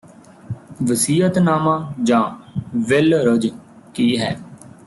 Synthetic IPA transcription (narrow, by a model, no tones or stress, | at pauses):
ʋəsiːət̪naːmãːd͡ʒãːʋɪlɾəd͡ʒ | kiːɦɛː